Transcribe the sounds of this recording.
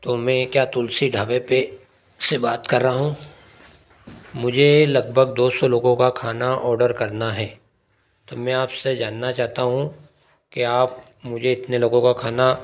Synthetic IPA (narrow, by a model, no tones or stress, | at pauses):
t̪oːmɛ̃ːkjaːt̪ʊlsiɖʱaːbepe | sebaːt̪kɐɾːɐaɦũː | mʊd͡ʒʱelɐɡbʱəɡd̪oːsɔloːɡõkakʰaːnaʔɔːɾɖəɾkɐɾnaɦɛː | t̪oːmɛ̃aːpsed͡ʒaːnːat͡ʃaːɦt̪aɦũ | keaːp | mʊd͡ʒʱeɪt̪neloːɡõkakʰaːna